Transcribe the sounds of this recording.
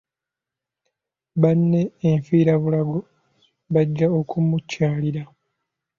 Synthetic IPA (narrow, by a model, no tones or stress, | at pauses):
βanːe̞ːɱfiːɾaβulaɡo | βaɟːao̞kumucːaːliɾa